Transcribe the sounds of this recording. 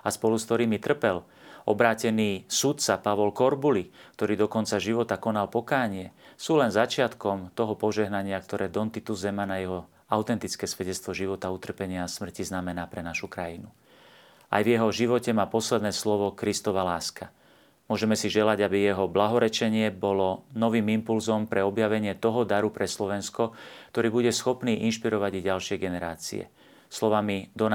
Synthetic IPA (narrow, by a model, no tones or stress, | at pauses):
aspɔluskt̪ɔɾiːmit̪r̩pɛl | ɔ̰bɾaːcɛniːsut̪sapaʋɔlkɔɾbulik̚t̪ɔɾiːd̪ɔkɔnt͡saʒiʋɔt̪akɔnalpɔkaːɲɪɛsuːlɛnzat͡ʃɪat̪kɔmt̪ɔɦɔpɔʒɛɦnaɲɪakt̪ɔɾɛːd̪ɔnt̪it̪uzːɛmanajɛɦɔ | aʊt̪ɛnt̪it͡skɛːsʋɛɟɛt͡st̪ʋɔʒiʋɔt̪aut̪r̩pɛɲɪasmr̩ciznamɛnaːpɾɛnaʃukɾajinu | a̰jvjɛɦɔʒiʋɔcɛmaːpɔslɛd̪nɛːslɔʋɔkɾist̪ɔʋalaːska | mʊɔʒɛmɛsiʒɛlaɟabijɛɦɔblaɦɔɾɛt͡ʃɛɲɪɛbɔlɔnɔʋiːmimpulzɔmpɾɛɔbjaʋɛɲɪɛt̪ɔɦɔd̪aɾupɾɛslɔʋɛnskɔkt̪ɔɾiːbuɟɛsxɔpniːʔinʃpiɾɔʋaɟiɟalʃɪɛjɡɛnɛɾaːt͡sḭɛ̰ | slɔʋamid̪ɔn